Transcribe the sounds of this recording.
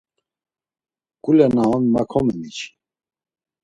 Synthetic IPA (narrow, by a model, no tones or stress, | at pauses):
kʼulɛnaɦɔnmakʰɔmɛmit͡ʃʰi̥